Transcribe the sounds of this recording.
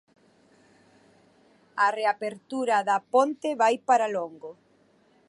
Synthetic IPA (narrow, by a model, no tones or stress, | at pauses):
areapeɾt̪uɾaðɐpont̪eβajpaɾaloŋɡo